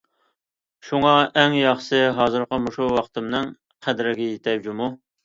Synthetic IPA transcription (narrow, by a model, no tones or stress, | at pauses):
ʃuŋɑʔɛŋjɑχsɨɦɑːzɨɾqəmuʃuwɑqt̪ɨmnɨŋ | qʰæd̪ɾɪɡʲɛjet̪ʰɛpd͡ʒumu